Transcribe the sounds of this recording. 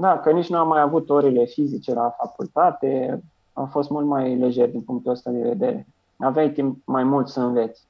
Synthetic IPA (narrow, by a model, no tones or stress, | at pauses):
d̪akənit͡ʃnuamːajavut̪oɾile̞fizit͡ʃelafakult̪at̪e̞ | awfo̞st̪mult̪majle̞ʒe̞rd̪inpuŋkt̪uəst̪ad̪e̞ve̞d̪e̞̰ɾe̞̰ | avajt̪imp̚majmult̪səɨnve̞t̪sʲ